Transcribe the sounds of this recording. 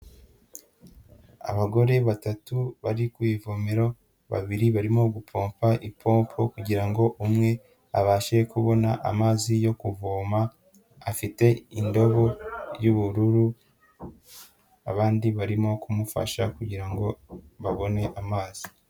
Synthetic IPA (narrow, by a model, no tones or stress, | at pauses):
a̰βaɡo̞ɾe̞βatatuβaɾikwiːvomeɾo̞ | βa̰βiɾiβaɾimo̞ɡupʰo̞ːmpʰaʔipʰo̞ːmpʰo̞kuɟiɾaŋɡo̞ʔumŋe̞ | aβaːʃe̞kuβo̞naʔa̰maːzijo̞kuvoːmaː | fite̞indo̞βo̞juβuɾuɾu | a̰βaːndiβaɾimo̞kumufa̰ʃa̰kuɟiɾaŋɡo̞βaβo̞ne̞ʔamaːz̥i